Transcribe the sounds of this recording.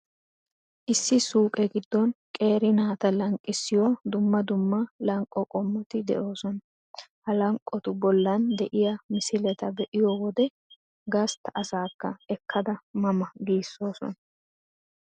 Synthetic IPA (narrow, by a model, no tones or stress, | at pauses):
ʔɪsːɪsuːkʼɛɡɪd̪ːɔnkʼe̞ːɾɪnaːt̪ɐlɐŋkʼːɪsːɪjɔd̪ʊmːɐd̪ʊmːɐlɐŋkʼːɔkʼɔmːɔt̪ɪd̪ɛ̰ʔo̞ːsɔnɐ | hɐlɐŋkʼːɔt̪ʊbɔlːɐnd̪ɛʔɪjɐmɪsɪlɛt̪ɐbɛʔɪjɔwɔd̪ɛ | ɡɐst̪ɐɐsaːkːɐɛkʰːɐd̪ɐmɐmɐɡiːsːo̞ːsɔ̰nɐ